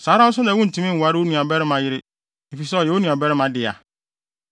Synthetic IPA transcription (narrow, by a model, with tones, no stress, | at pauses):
saː˨˦ɾã˦ʊ˦sʊ̃˦nã˨˦wũ˦n̩˨tʰũ˦mĩ˦˨wa˦ɾɪ˦o˦nũ˨ã˨bɛ˦ɾɪ˦mã˦jɪ˦ɾɪ˦ | e˨fi˨sɛ˦ɔ˨ɛ˨˦o˦nũ˨ã˨bɛ˦ɾɪ˦mã˨dɪ˨a̰˨